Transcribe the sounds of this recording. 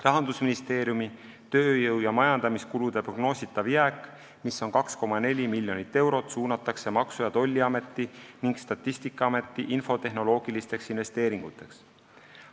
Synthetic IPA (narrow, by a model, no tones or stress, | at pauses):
rɑɦɑnd̪̥usminist̪e̞ːɾjumi | t̪ø̞ːjɤwjɑmɑjɑnd̪̥ɑmiskulud̪̥e̞pro̞ɡ̥no̞ːsʲit̪ːˑɑviækːˑ | misːo̞nkɑksko̞mɑne̞lʲimilʲjo̞nit̪ːe̞wɾo̞t̪suːnɑt̪ːˑɑkse̞mɑksujɑt̪o̞lʲːiɑme̞t̪ˑːiniŋkst̪ɑt̪ːˑist̪ikːˑɑɑme̞t̪ːˑiʔinfo̞t̪e̞ɦno̞lo̞ːɡ̥ilist̪e̞ksinve̞st̪e̞ːɾiŋɡ̥ut̪ːˑe̞ks